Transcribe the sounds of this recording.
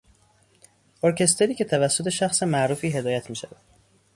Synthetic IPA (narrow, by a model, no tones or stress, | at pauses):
oɾcʰe̞st̪ʰe̞ɾiːcʰe̞t̪ʰævæsːo̞t̪ʰeʃæxsemæʔɾuːfiːɦe̞d̪ɒːjæt̪ʰmiːʃævæd̪̥